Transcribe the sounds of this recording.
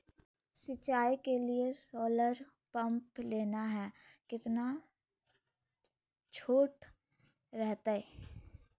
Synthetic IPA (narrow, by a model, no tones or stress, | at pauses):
sɪt͡ʃaːikeliesɔːləɾ | pə̃mpleːnaɦɛːkɪt̪na | t͡ʃʰoːʈ | ɾɛɦt̪aɛː